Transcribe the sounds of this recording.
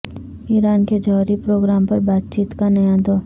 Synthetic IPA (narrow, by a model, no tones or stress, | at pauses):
iːɾaːnked͡ʒɔːɾipɾoːɡɾaːmpɐɾbaːt̪t͡ʃiːt̪kanɐjãd̪oː